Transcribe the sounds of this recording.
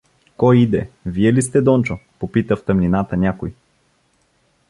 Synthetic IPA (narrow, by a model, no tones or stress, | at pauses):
kɔjid̪ɛviɛlist̪ɛd̪ɔnt͡ʃopopit̪əft̪əmnʲinat̪ənʲakoj